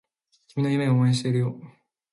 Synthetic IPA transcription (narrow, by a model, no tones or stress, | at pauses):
kʲimʲinojɯ̟meomoẽɕ̬i̥t̪e̞iɾɯ̟jo